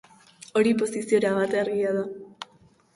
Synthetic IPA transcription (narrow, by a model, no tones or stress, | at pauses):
o̞ɾipo̞sisio̞ɾaβat̪eaɾɣiaða